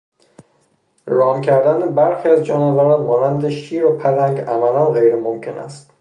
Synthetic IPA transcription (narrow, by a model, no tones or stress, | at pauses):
ɾɒːmcʰæɾd̪ænebæɾxiæzd͡ʒɒːnevæɾɒmɒːnænd̪eʃiːɾopʰælæŋɡæmælænɣejɾemomcʰe̞næ̰st̪